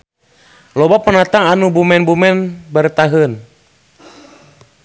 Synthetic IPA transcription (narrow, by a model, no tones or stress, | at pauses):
lɔbapənat̪aŋanubumɛnbumɛnbərt̪aɦən